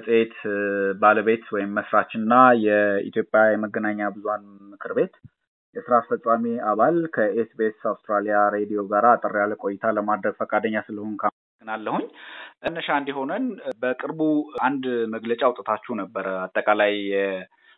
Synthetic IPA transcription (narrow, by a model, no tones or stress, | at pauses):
sʼəet̪baləβe̞t̪wɔjɪmːəsɾat͡ʃɨnːajɛḭt̪ʰjo̞pʼjajɛməɡːənaɲːabɨzuhanmɨkʰɨɾbe̞t̪ | jɛsɨɾafəsʼamiaβalkʰəesbe̞sawst̪ʼɾalijaɾe̞d̪ijo̞ɡaɾaːt̪ʼəɾijalkʼo̞jɪt̪ʰaləmad̪ɾəɡfəkʼad̪əɲːasɨləhonkʰaməsəɡːɨnalːəhuɲːʔɨnːəʃaɨnd̪iɦo̞nənbəkʼɨɾbuand̪məɡlət͡ʃʼawt̪ʼət̪ʰat͡ʃːunəbːəɾəat̪ʼːəkʼalajːɛ